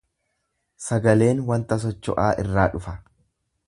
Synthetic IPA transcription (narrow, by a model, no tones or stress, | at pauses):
sɐɡɐle̞ːnwɐnt̪ɐs̬ɔt͡ʃːɔ̰ʔaːʔɪ̰rːaːᶑʊfɐ